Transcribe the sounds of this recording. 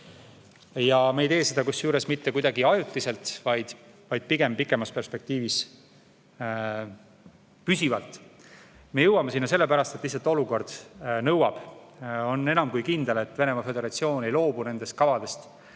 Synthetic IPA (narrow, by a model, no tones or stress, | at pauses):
jɑmejt̪e̞ːsed̪̥ɑkusːjuːɾe̞smit̪ːe̞kujd̪ɑɡiɑjut̪ˑːise̞lt̪vɑjd̪̥ | vɑjd̪̥̚piɡ̥e̞mpikːˑe̞mɑspe̞rspe̞k̚t̪iːvis | pysivɑlt̪ˑ | me̞jɤwɑmesinːɑs̬e̞lːe̞pæɾɑst̪et̪ːlihs̬ɑlt̪ːˑo̞luko̞rd̪̥nɤwɑb̥o̞nːe̞nɑmkujkind̪e̞le̞t̪ːve̞ne̞mɑfe̞d̪e̞ɾɑt̪sio̞ːne̞jlo̞ːbune̞nd̪e̞st̪kɑvɑd̪e̞st̪